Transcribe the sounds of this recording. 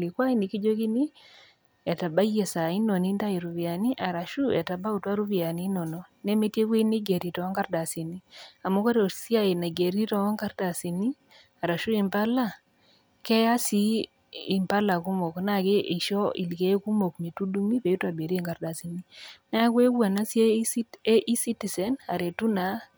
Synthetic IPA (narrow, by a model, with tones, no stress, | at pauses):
li˨kwa˦ɪ˦ni˨ki˦d͡ʒo˦ki˦ni˦ | ɛ˨ta˨ba˦je˨sa˨ɪ˦no˨ni˦nda˦i˨ɾu˨vɪ˨a˨ni˦ʔa˨ɾa˨ʃu˦ɛ˨ta˨ba˦u˨twa˦ɾu˦vi˨a˨ni˦nɔ˨no˨nɛ˦me˦tje˦kwe˦ni˦ɡe˨ɾi˨tɔ˨a˦ŋɡa˦ɾda˨si˨ni˦a˨mo˦ko˦ɾo˨si˦a˦ɪ˨na˨ɡe˨ɾi˦tɔ˦a˦ŋka˦ɾda˨si˨ni˦ | a˨ɾa˨ʃu˦i˨mpa˦la˦ | kɛ˦ja˦siː˦˨ | mpa˦la˨ku˦mo˨kna˦˨ke˦i˨ʃɔ˦ḭ˨lke˦ku˦mo˨kme˨tu˦du˦mi˦pe˨u˦ta˨be˨ɾi˦˨ŋɡa˦ɾda˨si˨ni˦na˦kwe˦ɡwa˨na˦se˦e˦ʔi˦si˦ti˨sɛ˨na̰˨ɾe˨tu˦na˨